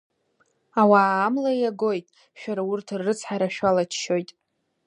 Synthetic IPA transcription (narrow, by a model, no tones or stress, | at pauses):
awaːmlaaɡo̞jtʼ | ʃᶣaɾaʊrtʰɨrːɨt͡sʰħaɾaʃᶣalat͡ʃʰʃo̞jtʼ